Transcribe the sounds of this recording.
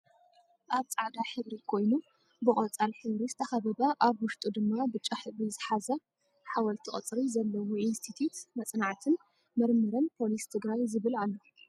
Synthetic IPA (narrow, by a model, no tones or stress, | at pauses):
ʔaβt͡sʼaʕd̪aħɨβɾikʰo̞jnu | bɨχʼɐt͡sʼalħɨβɾizɨt̪ʰɐxaβɐbaʔaβwʊʃt̪ʼud̪ɨmːabɨt͡ʃʼːaħɨβɾizɨħazɐ | ħawɐlt̪ʰiχʼɐt͡sʼɾizɐlːɐwoʔinst̪ʰit̪ʰut̪mɐt͡sʼnaʕt̪ʰɨn | mɐɾmɨɾɐnpʰo̞list̪ʰɨɡɾajzɨβɨlalːo